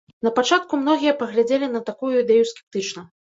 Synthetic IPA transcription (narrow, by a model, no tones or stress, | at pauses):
nɐpat͡ʂat̪̚kumnɔɣʲijɐpɐɣlʲad͡zʲelʲinɐt̪akujuid̪ɛjuskʲɛ̥p̚t̪ɨt͡ʂnɐ